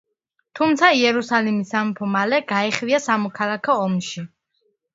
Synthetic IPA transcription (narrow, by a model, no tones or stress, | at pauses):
t̪ʰumt̪sʰaiɛɾusalimisːampʰɔmalɛɡ̥aiχviasamɔkʰalˠakʰɔːmʃi